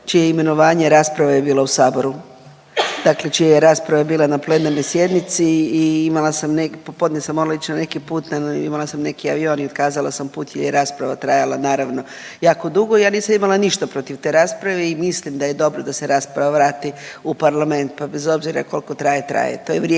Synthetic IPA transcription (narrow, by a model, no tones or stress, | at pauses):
t͡ʃijeime̞no̞ʋaːɲe̞ɾaːspɾaʋaje̞biːlˠausaːbo̞ɾu | d̪akle̞t͡ʃijajeɾaːspɾaʋabiːlˠanaple̞naɾno̞jsje̞d̪nit̪siːimalˠasamnekpopo̞d̪nɲesamoɾalait͡ʃnane̞kipuːt̪naḭmalˠasamne̞kiaʋio̞ːniod̪kaːzalˠasampuːt̪jelʎjeɾaːspɾaʋat̪ɾajalanaːɾaʋno̞ | jaːko̞d̪uɡo̞ijaːniːsamimalˠaniʃt̪apɾo̞t̪iʋt̪e̞ɾaːspɾaʋeimislimd̪aje̞d̪o̞bɾod̪aseɾaːspɾaʋaʋɾaːt̪iupaɾlame̞nt̪̚pabe̞zo̞bziɾa̰ko̞lko̞t̪ɾaːjet̪ɾa̰jḛt̪oːjeʋɾe